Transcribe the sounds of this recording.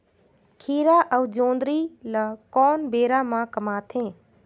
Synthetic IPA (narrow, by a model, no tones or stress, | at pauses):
kʰiːɾaːʔəwd͡ʒõːnd̪ɾiːləkɔːnbeːɾamãkɐmaːt̪ʰẽː